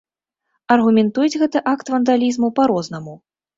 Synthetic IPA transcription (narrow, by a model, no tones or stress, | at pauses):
ɐrɣumʲɛnt̪ujɛd͡zʲɣɛt̪ɐʔakt̪vɐnd̪alʲizmupaɾɔznɐmu